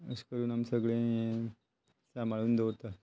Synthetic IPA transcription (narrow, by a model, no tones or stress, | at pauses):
ə̰skəɾuːnamsəɡɭẽ | t͡samaɭuːnd̪oʋt̪a